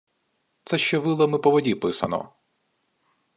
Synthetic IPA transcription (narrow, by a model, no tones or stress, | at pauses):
t̪sɛʃt͡ʃɔʋɪlˠɔmɪpɔʋɔdʲipɪsɐ̰nɔ̰